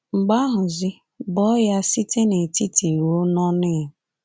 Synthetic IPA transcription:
ŋ͡m̩˨ɡ͡ba˦ɦʊ˨zɪ˦ | bɔ˦ja˦si˦tʰe˦ne˨ti˦ti˨wo˦nɔ˦nɪ˦ɦ

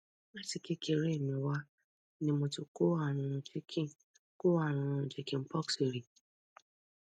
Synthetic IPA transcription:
a˦ti˨ke˦kʰe˨ɾe˦˨mĩ˨wa˦ | nĩ˦mo˧tu˨ko˦a˨ɾ̃ʊ̃˧˨t͡ʃe˦kʰĩ˦˨ | ko˦a˦˨ɾ̃ʊ̃˧ɾ̩˨d͡ʒe˨kĩ˦m̩˦pɔ˦kse˨ɾi˨

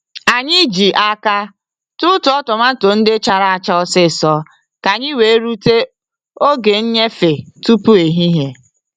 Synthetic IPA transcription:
a˨ɲɪ˦d͡ʒi˨ʔa˦ka˦ | tʊ˦tʊ˨ɔ˦tɔ˨ma˦to˨n̩˦dɪ˦t͡ʃa˨ɾa˨a˨t͡ʃa˦ɔ˦sɪ˦˨sɔ˦ | ka˨ɲɪ˦we˨˦ɾu˦te˦ | o˦ɡe˨n̩˦ɲe˦fe˨tu˦pu˦e˨ɦi˦ɦe˨

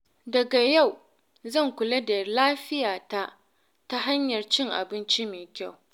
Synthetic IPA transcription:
dɐ˨ɡa˨ja˦˨w | zɐ˦˨ŋkʷʊ˨lɐ˦da˨laː˦ɸɪ˦jaː˨ta˦ʔ | ta˦ɦa˦ɲjɐ˨rt͡ʃɪ˦ŋʔa̰˨bɪ˦nt͡ʃi˦meː˨kʲa˦˨w

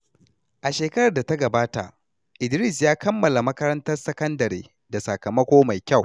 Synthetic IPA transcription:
ʔa˨ʃeː˨kɐ˦ɾɐ˨rda˨ta˦ɡɐ˨baː˦ta̰˨ʔ | ʔɪ˨dɾi˦˨s̬jaː˦kʰɐ˦mːɐ˨la˨mɐ˦kɐ˦ɾɐ˦ntɐ˦rsɐ˦kɐ˦ndɐ˨ɾḛː˦ | da˨sɐ˨kɐ˨mɐ˦kʷoː˦ma˨jkʲa˦˨w

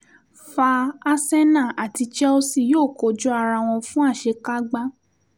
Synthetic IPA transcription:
fa˧a˧sɛ˦nã˦˨a˨ti˧t͡ʃɛ˦o˧si˧˨joː˦˨ko˨d͡ʒɔ˦a˧ɾa˧˨w̃ɔ̃˧fũ˦a˦˨ʃe˨˧˦ka˦ɡ͡ba˦

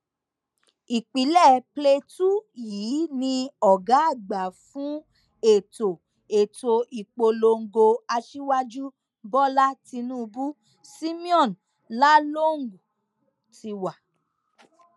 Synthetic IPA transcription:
i˨k͡pi˨˦lɛ˦˨ple˧tu˦jiː˨˦nĩ˧ɔ˨ɡa˨˦a˦˨ɡ͡ba˨fũ˨˦ | e˨to˨ | e˨to˨ʔi˨k͡po˧lo˧ŋ̩˨ɡo˧a˧ʃi˦wa˦d͡ʒu˦ | bɔ˦la˦ti˧nũː˦˧bu˦ | si˦mĩ˦ɔ̃˦˨n | la˦lo˦˨ŋ̩˨ɡu˨ | ti˧wa˨

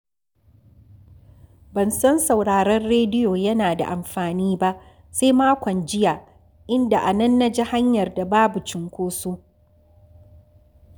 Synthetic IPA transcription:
bɐ˨nsɐ˦nsa˨wɽaː˨ɾɐ˦rɽeː˦dɪ˦joː˨jɐ˦naː˨da̰˨ʔa˨mɸaː˨niː˦ba˦ʔ | se˦jmaː˦kʷɔ˨nd͡ʒɪ˦jaː˨ | ʔɪ˦nda˨ʔa˨nɐ˦nːa˦d͡ʒɪ˦ha˦ɲjɐ˨rda˨baː˦bu˨t͡ʃɪ˨ŋkʷoː˦soː˦

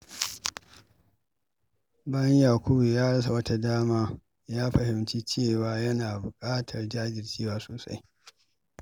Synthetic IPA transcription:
bɐ˦ɲjaː˨kʷʊ˦bu˨jaː˦ɽɐ˦s̬a˨wɐ˦ta˦daː˦maː˦ | jaː˦ɸɐ˨hɪ˨mt͡ʃi˦t͡ʃeː˦˨waː˨˦jɐ˦naː˨bʊ˨kʼaː˦tʰɐ˨rd͡ʒaː˦d͡ʒɪ˨rt͡ʃiː˦waː˦soː˨sa̰˦j

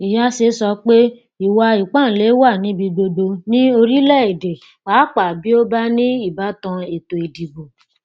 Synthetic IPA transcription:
i˨ja˦se˧sɔ˧k͡pe˦ | i˨wa˧i˨k͡pã˦˨le˨˦wa˦˨nĩ˨˦bi˧do˧do˧nĩ˦o˧ɾi˦lɛ˦˨e˨de˨ | wa˨˦k͡pa˨bi˦o˦ba˦nĩ˦i˦˨ba˨˦tɔ̃˧e˨to˨e˨di˨bo˨

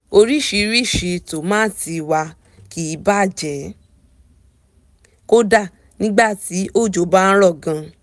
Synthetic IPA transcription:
o˧ɾi˦ʃi˧ɾi˦˨ʃi˧to˨mãː˦ti˧wa˧ | ki˨˦ba˦˨d͡ʒɛ˨˦ | ko˦da˦˨ | nĩ˦ɡ͡ba˦˨ti˨˦ʔo˦˨d͡ʒo˧˦ba˦ɾɔ˦˨ɡã˧

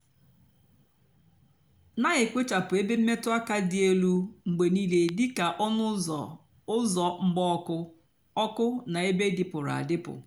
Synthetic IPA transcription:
na˦ɣe˨kʷe˦t͡ʃa˨pʊ˨e˦be˦m̩˦me˦tʊ˦a˦ka˦dɪ˨e˦lu˦ŋ͡m̩˨ɡ͡be˨niː˦le˦dɪ˦ka˨ʔɔ˦nʊ˦˨ | ʊ˦zɔ˨ŋ͡m̩˦ɡ͡bɔ˦kʊ˦ | ɔ˦kʊ˦na˨e˦be˦dɪ˨pʊ˨ɾa̰˨dɪ˦pʊ̰˨

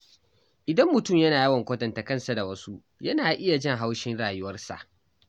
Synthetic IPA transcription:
ʔɪ˨dɐ˦mːʊ˨tʊ˦˨mjɐ˦naː˨ji˦wɐ˨ŋkʷoː˦tɐ˨ntɐ˨kɐ˦˨nsa˨da˨wɐ˦su˦ | jɐ˦naː˨ʔɪ˦ja˨d͡ʒɪ˦ŋɦa˦wʃɪ˦nɽaː˨jʊ˦wɐ˦rsa̰˨ʔ

